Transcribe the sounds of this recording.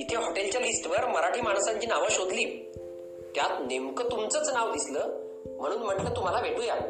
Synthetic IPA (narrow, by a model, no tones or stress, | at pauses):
it̪ʰjaɦoʈelt͡ɕjalisʈʋəɾməɾaʈʰiːmaɳsãɲt͡ɕiːnaʋəɕod̪liː | t̪jat̪nemkət̪umt͡sət͡snaʋd̪isləː | m̤əɽ̃uːnm̤əʈlət̪um̤alaʋeʈuja